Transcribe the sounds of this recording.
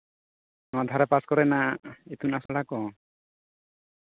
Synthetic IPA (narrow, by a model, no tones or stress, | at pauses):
nɔad̪ʱaɾɛpaskɔɾɛnaet̪unasɔɽakɔ